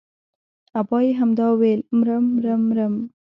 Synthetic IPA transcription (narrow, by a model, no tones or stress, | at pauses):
abɑjeɦamd̪ɑwelmɾamɾamɾəm